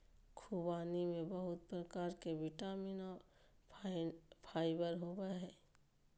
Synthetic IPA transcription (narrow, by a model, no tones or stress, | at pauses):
kʰubaːnimẽbəɦʊt̪̚pɾəkaːɾkeʋɪʈaːminɔ | pʰaːɪbəɾɦoːbəɦɛː